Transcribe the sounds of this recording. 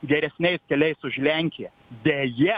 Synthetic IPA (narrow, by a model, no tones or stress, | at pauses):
ɡʲɛɾʲɛsʲnʲɛɪskʲɛlʲɛɪsʊʒlʲæŋʲkʲɪjɛ | d̪ʲejɛ